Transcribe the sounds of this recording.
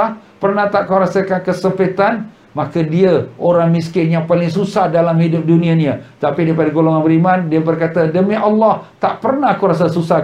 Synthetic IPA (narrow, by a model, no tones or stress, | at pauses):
apərnaht̪aʔkawɾasakankəsəmpət̪an | makadiaʔoɾaŋmiskɪnjaŋpalɪŋs̬usahdalamhidʊp̚dunĩaniət̪apidaipadaɡoloŋanbəɾimandiabərkat̪adəmiʔalːɑht̪aʔpərnaɦkuɾas̬asusa